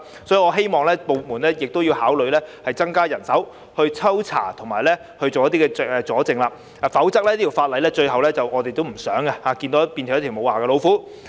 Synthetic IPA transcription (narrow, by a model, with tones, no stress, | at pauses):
sɔ˨˥ji˨˧ŋɔː˨˧ɦe˥jmɔː˨ŋlɛː˥po˨˩w̚muː˨˩nlɛː˥jɪ˨k̚t̪o˥wji˧haː˨˥wlɵ˨˧ɥlɛː˥hɐ˨jt͡sɐ˥ŋkaː˥jɐ˨˩nsɐ˨˥w | hɵ˧ɥt͡sʰɐ˥wt͡sʰa̰ː˨˩t̪ʰʊ˨˩ŋmaː˨˩jlɛ˥ | hɵ˧ɥt͡ʃo˨wjɐ˥t̪i˥kɛ˧˨ɛ˨t͡sɔː˨˥t͡sɪ˨ŋlaː˧˨ | fɐ˨˥wt͡sɐ˥k̚lɛː˥j̪iː˥tʰi˨˩wfaː˧t̚lɐ˨˧jlɛː˥t͡ʃɵ˧ɥɦɐ˨wlɛː˥t͡sɐ˨wʔɔː˨˧t̪e˨jt̪o˥wm̩˨˩sœː˨˥ŋa˧haː˨˧ki˧nt̪o˨˧˥ɐ˥piː˧nʰ˨˩jtʰːmo˨˧waː˨ɡɐː˧lo˨˧wfuː˨˥